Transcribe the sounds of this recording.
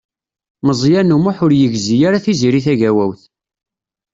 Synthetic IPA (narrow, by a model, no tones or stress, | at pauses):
məzˤjænumʊħʊɾjəʝzijaɾaθiziɾiθæʝæwæwθ